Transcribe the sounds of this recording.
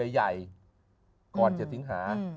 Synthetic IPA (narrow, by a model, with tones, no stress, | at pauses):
a˧˩jza˨˩j | kɔː˨˩nt͡ɕa˨˩t̪ʰi˨˦˥ŋɦaː˩˦